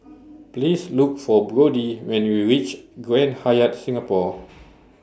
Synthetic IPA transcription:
plisluk̚fɔbɹodiwɛ̃nwiɹit͡ʃɡɹɛ̃nhajətsĩŋapɔ

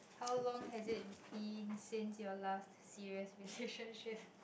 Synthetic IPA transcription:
hawlɔ̃ŋhɛzɪt̚b̥ĩnsɪ̃nsjɔlastsiɹiəsɹileʃə̃nʃɪp̚

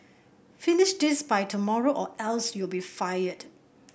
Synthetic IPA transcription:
fɪnɪʃdɪsbajtʰumɔɹoʔɔʔɛlsjulbifajəd̥

